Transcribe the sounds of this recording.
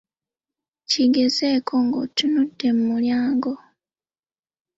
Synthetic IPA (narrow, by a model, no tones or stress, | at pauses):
ciɡezeːkʰoŋɡo̰tunudːe̞mumuljaːŋɡo